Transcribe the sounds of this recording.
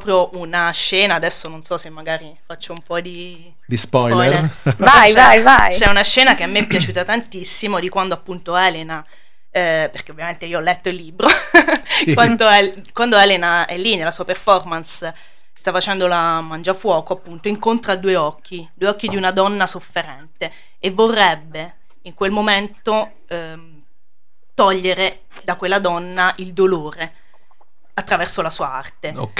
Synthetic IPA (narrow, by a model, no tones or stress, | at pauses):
ɾɔpɾjoʔunaʃːɛːnaːd̪ɛsːononsɔsemːaɡaːɾifat͡ʃːoumpɔd̪i | d̪ispɔjlɔjlɛvajvajvajt͡ʃɛunaʃɛːnakeamːeɛpːjat͡ʃuːt̪at̪ant̪isːimod̪ikwand̪oapːunt̪oɛːlena | perk̟eovjament̪eioɔlːɛt̪ːoilːiːbɾo | kkwand̪oɛ | kwand̪oɛːlenaɛlːinelasuːaperfɔrmans | st̪afːat͡ʃɛnd̪olamand͡ʒafwɔːkoapːunt̪oiŋkont̪ɾad̪uːeɔkʰːid̪ueɔkːid̪iunad̪ɔnːasofːeɾɛnt̪e | evːorːɛbːe | iŋkwelmoment̪o | t̪ɔʎːeɾe | d̪akwelːad̪ɔnːaʔild̪oloːɾe | at̪ːɾavɛrsolasuːaa̰rt̪e